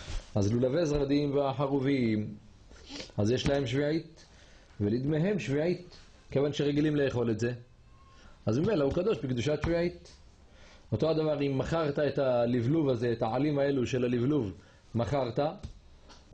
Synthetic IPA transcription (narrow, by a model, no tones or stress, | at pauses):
azlulavezʁad̪imveaħaʁuvim | azjeʃlahe̞mʃviʕit̪ | velid̪meɦe̞mʃviʕit̪ | kevanʃeʁeɡilimleeχo̞letze̞ | ʔazmimelaukad̪o̞ʃbikd̪uʃatʃviʕit̪ | ot̪o̞ad̪avaʁimːaχaʁt̪aet̪alivluvaze̞ːt̪aʕalimae̞luʃe̞lalivluv | maχaʁt̪a